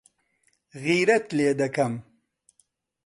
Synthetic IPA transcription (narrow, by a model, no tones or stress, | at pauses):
ɣiɾɐt̪leːd̪ɐkɐm